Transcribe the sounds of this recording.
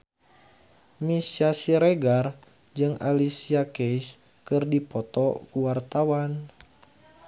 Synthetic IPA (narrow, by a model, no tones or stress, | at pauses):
misasiɾeɡar | d͡ʒɨŋa̰lisiakɛis | kɨrdipɔt̪ɔ̰kuwart̪awan